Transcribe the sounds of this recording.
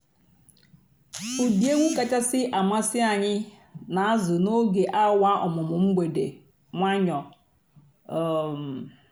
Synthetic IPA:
u˨di˨e˦ŋʷu˦ka˨t͡ʃa˦sɪ˦ʔa˨ma˦sɪ˦a˨ɲɪ˦ | na˨a˦zʊ˨no˦ɡe˨ʔa˦wa˦ʔɔ˨mʊ˨mʊ˨ŋ͡m̩˦ɡ͡be˨dḛ˨ | ŋʷa˦ɲɔ˨ | m˨

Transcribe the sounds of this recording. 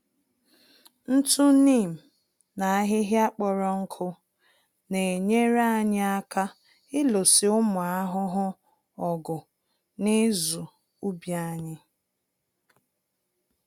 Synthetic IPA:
n̩˦tu˦ni˦˨m̩˨ | na˨a˦ɦɪ˦ɦɪ˦a˦k͡pɔ˨ɾɔ˦ŋ̩˦kʰʊ˦ | ne˨ɲe˦ɾa˦˨ɲɪ˦a˦ka˦ | ɪ˦lo˨sɪ˨ʊ˦mʊ˨a˦ɦʊ˦ɦʊ˦ | ɔ˨ɡʊ˨ | nɪ˦zu˨ | u˦bja˦ɲɪ˦

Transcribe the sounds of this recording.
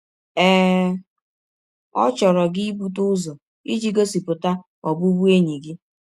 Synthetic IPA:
ɛ˦ | ɔ̰˦t͡ʃɔ˨ɾɔ˨ɡɪ˦i˦bu˦t̬ʊ˦zɔ˨ | i˦d͡ʒi˦ɡo˦si˨pʊ˨ta˦ | ɔ˨bʊ˦bu˦e˦ɲi˨ɡɪ˦

